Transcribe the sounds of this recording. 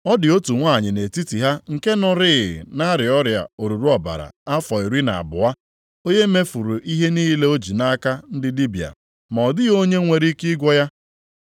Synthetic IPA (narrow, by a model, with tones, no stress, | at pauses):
ɔ˦dɪ˨o˦tu˨ŋʷa˦˨ɲɪ˨ne˨ti˦ti˨ɦa˦ŋ̩˨ke˦nʊ˦ɾɪ˦˨ɪ˨na˦ɾɪ˨ɔ˦ɾja̰˨o˨ɾu˨ɾu˦ɔ˨ba̰˨ɾa̰˨a˦fɔ˨i˨ɾi˦na˨a̰˨bʊ˨a˦ | o˦ɲe˦me˦fu˨ɾu˨ʔi˦ɦe˦niː˦le˦o˦d͡ʒi˨na˦ka˦n̩˦dɪ˦li˦bi˨a̰˨ | ma˨ɔ˨dɪ˦o˦ɲe˦ŋʷe˨ɾi˦ki˦ɡʷɔ˦ja˦